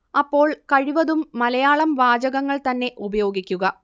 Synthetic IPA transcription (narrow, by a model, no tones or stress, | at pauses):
ɐpːo̞ːɭkɐɻiʋɐðumːɐlɐjaːɭɐmʋaːd͡ʑɐɣɐŋːɐɭt̪ɐnːe̞ʔubɐjo̞ːɡikʲːuɣɐ